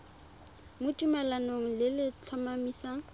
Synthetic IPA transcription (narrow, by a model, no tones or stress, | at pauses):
mʊtʼumalanoŋ̩lɪlɪt͡ɬʰɔmamiːsa